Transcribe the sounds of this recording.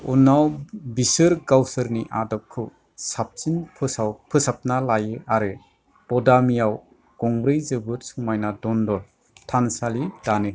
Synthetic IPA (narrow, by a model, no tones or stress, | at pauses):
unːawbisɯɾɡawsɯɾniʔadɔp̚kʰɯ | sap̚t͡ʃinpʰɯsapʰɯsap̚nalajɯaɾɯ | b̥ɔdamijaw | ɡ̥ɔŋbɾejzɯbɯt̚suŋmajnadɔndɔ | tʰansalid̥anɯ